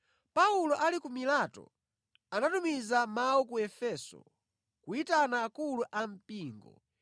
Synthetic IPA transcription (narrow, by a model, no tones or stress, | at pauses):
paulɔʔalikumilatɔ̰ | anatumizamawɔkuɛfɛːsɔ̰ | kuitanaːkuluʔam̩piːŋɡɔ̰